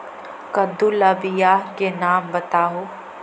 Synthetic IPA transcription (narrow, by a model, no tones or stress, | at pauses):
kɐd̪ulɐbɪjaːɦkenaːmbɐt̪aːɦoː